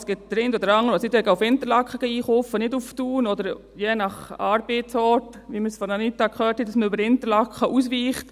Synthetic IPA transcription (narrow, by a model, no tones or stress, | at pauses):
sɡ̥ɪt̚d̥̪ɾɪndɔd̪əɾɑŋːəɾɔsitɛɡəʊfɪntəɾlɑkχəɡ̥əiːχofənɪduftuːnɔdəɾ | jɛnɑχɑːɾb̥eːtsɔt | ʋiməsfɔnɑnitːɑkχœːthɛt̚d̥ɑsməybəɾɪntəɾlɑkχəʔusʋiːχt